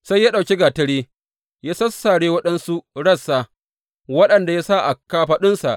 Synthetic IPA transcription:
sa˦jːaː˦ɗa˨kʲe˦ɡaː˨tɐ˦ɽeː˦ | jaː˦sɐ˦sːa˨ɽeː˦wɐ˦ɗɐ˦nsu˦ɽɐ˦˨sːaː˨ | wɐ˦ɗɐ˨nda˨ja˦sa˦ʔa˨kaː˦ɸa˦ɗʊ˦nsa˨ʔ

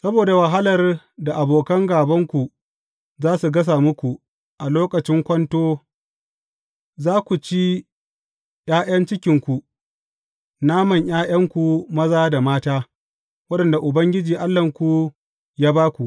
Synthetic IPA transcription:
sɐ˦boː˨da˨wɐ˨ɦa˦lɐ˨r | da˨ʔa˨boː˨kɐ˦ŋɡaː˨bɐ˦ŋkʷu˨ | zaː˦su˨ɡɐ˦s̬a˨mʊ˦kʷu˨ | ʔa˨loː˦kɐ˨t͡ʃɪ˦ŋkʷɐ˦ntoː˦ | zaː˦kʷu˨t͡ʃi˦ | j̰aː˦j̰ɐ˦nt͡ʃɪ˦kʲɪ˨ŋkʷu˨ | naː˦mɐ˨ɲj̰ʔaː˦j̰ɐ˦ŋkʷu˨mɐ˦zaː˦da˨maː˦taː˦ | wɐ˦ɗɐ˨nda˨ʔʊ˨bɐ˦ŋɡʲɪ˦d͡ʒiː˨ʔa˦lːɐ˨ŋkʷu˨ | jaː˦baː˦kʷu˨ʔ

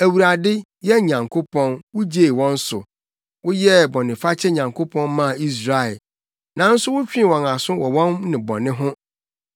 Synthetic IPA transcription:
æ˨wu˨ɾa˨dɪ˦ | jɛ˦ɲã˨ŋkʰo˦pʰɔ̃˦nwʊ˦d͡ʑe˦˨wɔ̃˦n̩˦sʊ̰˨ | wʊ˦jɛ˦˨bɔ˨nɪ̃˨fa˦t͡ɕʰɛ˦ɲã˨ŋkʰo˦pʰɔ̃˦nmã˦˨i˦s̬ɾa˨ɛ˨ | nã˨˦n̩˦sʊ˦wʊ˦t͡ɕᶣĩ˦˨wɔ̃˨na˨sʊ̃˦wɔ˨wɔ̃˦nnɪ̃˨bɔ̰˨nɪ̃˦ɦʊ̃˦

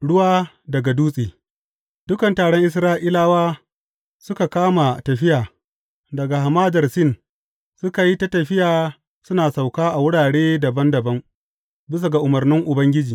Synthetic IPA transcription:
ɽʊ˦waː˦ | dɐ˨ɡa˨duː˦sʼiː˨ | d̥ʊ˦kɐ˨ntaː˨ɽɔ˦ŋʔɪ˨˦s̬ɾaː˦ʔi˦laː˦waː˦ | sʊ˦ka˨kaː˦ma˨tɐ˨ɸɪ˦jaː˨ | dɐ˨ɡa˨ha˨maː˦dɐ˨rsɪ˦n | sʊ˦ka˨ji˦ta˦tɐ˨ɸɪ˦jaː˨ | sʊ˦naː˨sa˨wkaː˦ʔa˨wʊ˦ɽaː˨ɽeː˦dɐ˨bɐ˦ndɐ˨bɐ˦ŋ | bɪ˦s̬a˨ɡa˨ʔʊ˨mɐ˨rnɪ˦ŋʔʊ˨bɐ˦ŋɡʲɪ˦d͡ʒiː˨

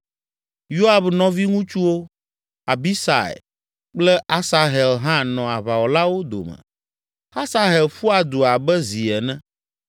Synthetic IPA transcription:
jo˦a˨bnɔ̃˦vi˦ŋũ˦t͡ʃu˦wo˦ | a˨bi˦sa̰˨ḛ˨ | k͡plɛ˦ʔa˦sa˦ɦɛ˨lɦã˦nɔ̃˨a˨βa˨wɔ˨la˦wo˦d̪o̰˨mɛ̰̃˨ | ha˦sa˦ɦe˨lfu˦a˨d̪u˨a˨bɛ˦zi˨ɛ˨nɛ̃˦

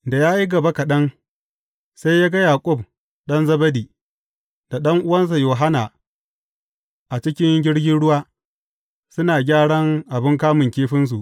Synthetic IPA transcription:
da˨jaː˦ji˦ɡɐ˨ba˦ka˨ɗɐ˦ŋ | sa˦jjaː˦ɡa˦jaː˨kʷʼʊ˦˨b̚ | ɗɐ˦nzɐ˦bɐ˦diː˨ | d̥a˨ɗɐ˦ŋʔʊ˦wɐ˦ns̬a˨joː˨ɦa˦na˨ | ʔa˨t͡ʃɪ˦kʲɪ˦ŋɡʲɪ˦ɽɡʲɪ˦nɽʊ˦waː˦ | sʊ˦naː˨ɡʲaː˦ɽɐ˦ŋʔa˨bɪ˦ŋkaː˦mʊ˨ŋkʲeː˦ɸɪ˦ns̬u˨ʔ

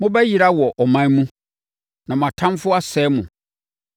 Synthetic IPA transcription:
mʊ̃˦bɛ˦ji˨ɾa˦wɔ˨ʔɔ˨mã˦mũ˦ | nã˨mʊ̃˨a˨tʰã˦m˦fʊ˦a˦sɛː˨˦mʊ̃˨

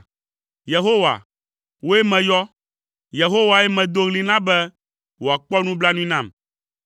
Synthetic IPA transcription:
je˨ɦo˦wa̰˨ | wo˦e˦mɛ̃˨jɔ˦ | je˨ɦo˦wa˨ɛ˦mɛ̃˨d̪o˦ɣli˦nã˦bɛ˦ | wo˨a˨k͡pɔ˦nũ˦bla˦nũ˦nã˦˨m

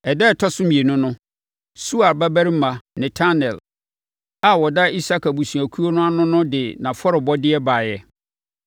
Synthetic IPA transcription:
ɛ˨dɛ˦˨tʰɔ˦sʊ˦mĩ˨e˨nʊ̃˦nʊ̃˦ | su˦a˨ɾba˦bæ˦ɾi˦m˦mã˨nɛ̃˨tʰa˦nɛ˨l | a˦˨wɔ˨da˦i˦sa˦ka˨bu˨sũ˨æ˨kʰu˦o˦nʊ̃˦a˦nʊ̃˦nʊ̃˦dɪ˨nã˨fɔ˦ɾɪ˨bɔ˦dɪ˦ɛ˦ba˨jɛ˨

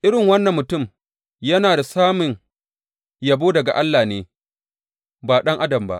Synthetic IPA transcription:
ʔɪ˦ɽɪ˨ŋwɐ˦nːɐ˨mːʊ˨tʊ˦˨m | jɐ˦naː˨da˨saː˦mʊ˨ŋ | ja˨boː˦dɐ˨ɡa̰˨ʔa˦lːaː˨neː˨ | baː˨ɗɐ˦ŋʔa˦dɐ˨mba̰˦ʔ

